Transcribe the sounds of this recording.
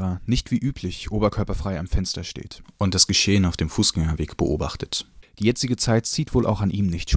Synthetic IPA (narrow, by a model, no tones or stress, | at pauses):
ʁɐnɪçtv̥iːʔyːpʰlɪçʔoːbɐkʰœɐpɐfʁ̥aɪamfɛnstɐʃtḛːtʔʊnt̚d̥asɡ̥əʃeːənaʊfd̥eːmfuːsɡ̥ɛŋɐveːkb̥əʔo̰ːbaχtə̥td̥iːjɛt͡sɪɡət͡saɪtt͡siːtv̥oːlʔa̰ʊxanʔiːmnɪçtʃ